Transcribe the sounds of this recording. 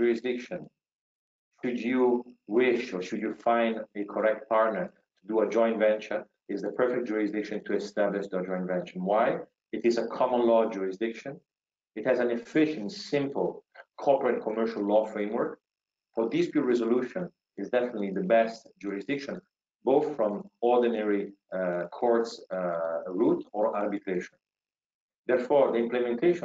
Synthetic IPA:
d͡ʒuɹɪsdɪkʃə̃n | ʃudjuwɪʃɔɹʃudjufãj̃ndəkʰɔɹɛk̚t̚paɹtnəɹ | t̪ʰud̪uəd͡ʒɔ̃j̃nvɛ̃nt͡ʃə̃n | ɪzðəpʰɛ˞fɛk̚t̚d͡ʒuɹɪsd̪ɪkʃə̃ntʰuɛst̪æblɪʃdəd͡ʒɔ̃ɪ̃nvɛ̃nt͡ʃə̃nwaj | ɪtɪzəkʰɔmə̃nlɔd͡ʒuɹɪsdɪkʃə̃n | ɪthɛzæ̃nɛfɪʃə̃ntsɪ̃mpəl̩ˠkʰɔpəɹɛ̃nkʰɔmɜɹʃallɔfɹẽɪ̃mwəɹk | fɔɹd̪ɪspjutɹɛzoluʃɔ̃n | ɪzdɛfənətliðəbɛstd͡ʒuɹɪsd̪ɪkʃɔ̃n | boʊθfɹɔ̃mɔɹdinɛɹikʰɔɹts | ɹutʰɔɹaɹbit̪ʰɹeʃɔ̃n | ðɛɹfɔɹðəɪ̃mplɛmɛ̃nt̪ʰeɪʃ

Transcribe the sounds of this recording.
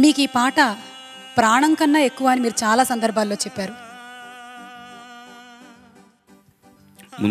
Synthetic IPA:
niːkiːpaːʈɐ | pɾaːɳɐŋkɐnːɐe̞kːuʋaːnimiːɾut͡ʃaːlaːsɐnd̪ɐɾbʱaːlːo̞ːt͡ʃɛpːaːɾu | mṵ

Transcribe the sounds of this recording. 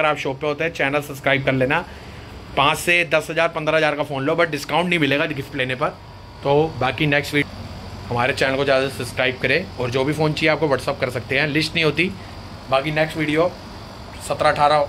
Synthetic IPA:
əɾaːpʃoːpeɦoːt̪eɦɛ̃t͡ʃɛːnəlsɐbskɾaːɪb̚kɐɾleːna | pãːt͡ʃsed̪ɐsɦɐzaːɾpɐ̃nd̪ɾaɦɐzaːɾkafoːnloːbɐʈ̚ɖɪskaːʊ̃ɳʈnɐɦĩmɪleːɡaɡɪfʈleːnepɐɾ | t̪oːbaːkinɛːksʈʋiː | hɐmaːɾet͡ʃɛːnəlkod͡ʒaːzɐsɐbskɾaːɪb̚kɐɾẽːɔːɾd͡ʒoːbʱifoːnt͡ʃiːeaːp̚koʋəʈsəp̚kɐɾsɐk̚t̪eɦɛ̃lɪsʈnɐɦĩɦoːt̪i | baːkinɛːksʈʋiːɖijo | sɐt̪ɾaɐʈʰaːɾa

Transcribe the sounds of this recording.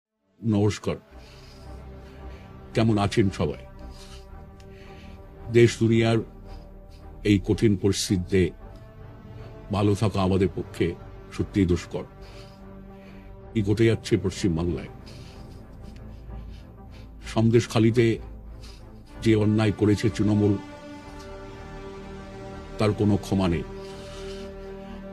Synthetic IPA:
nɔoʃkaɾ | k̪ɛmonat͡ɕʰenʃɔba̰e | d̪eʃd̪unijaɾ | ejkoʈʰinpoɾist̪id̪ʱːe | bʱalot̪ʰakaamad̪eɾpokʰːe | ʃot̪ːɾijd̪oʃkɔɾ | kik̬oʈʰed͡ʑatːɕʰepɾoʃt͡ɕimbaŋla̰e | ʃɔmd̪eʃkʰalit̪̬e | d͡ʑeɔnːajkoɾet͡ɕʰet̪ɾinomul | t̪aɾkonokʰɔmanḛj

